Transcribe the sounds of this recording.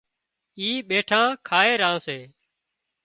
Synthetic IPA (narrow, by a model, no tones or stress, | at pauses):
iːɓeːʈʰãːkʰaːeːɾãːseː